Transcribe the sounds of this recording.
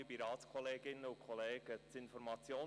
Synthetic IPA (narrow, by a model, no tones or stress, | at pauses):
biɾɑːtskʰɔleːɡɪnəʊkʰɔleːɡ̥ət͡sɪnfɔɾmɑt͡sjoː